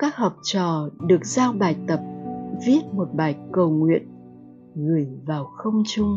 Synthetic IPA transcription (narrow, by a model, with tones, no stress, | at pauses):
kaː˦˥k̚hɔ˨˩wk͡p̚t͡ɕɔ̰˧˨ɗɨ˨˩ək̚zaː˧wɓaː˨˩jt̪ə˨˩p̚vi˦˥ət̚mo˨˩t̚ɓaː˨˩jkə˨˩wŋwḭ˧˨ən | ŋɨ˨˩əjvaː˨˩wxə˧wŋ͡mt͡ɕʊ˧ŋ͡m